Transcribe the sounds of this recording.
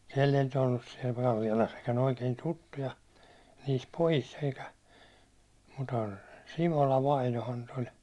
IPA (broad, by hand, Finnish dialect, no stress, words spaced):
siɛlː ei nyt olːus siɛl kɑlːiɑlɑs sitːen oikein tutːujɑ niːs pojis eikæ mu̥tə simolɑ ʋɑinohɑn nyt olʲ